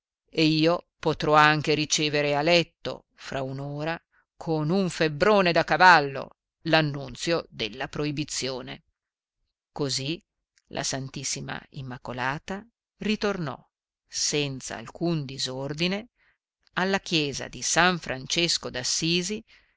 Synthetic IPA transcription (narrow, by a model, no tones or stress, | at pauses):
eiːo | pot̪ɾɔaŋk̟eɾit͡ʃeːveɾealɛt̪ːo̰ | fɾaunoːɾa | kʰonuɱfebɾoːned̪akavalːo̰ | lanːunt̪sjod̪elːapɾoibit̪sːjoːnḛ | kozi | lʔa̰sant̪isːima̰ḭmːakolaːt̪a | rit̪ornɔ̰ | sɛnt̪sa̰ːlkund̪izord̪ine | alːakjɛːza̰d̪isaɱfɾant͡ʃeskod̪asːiːzi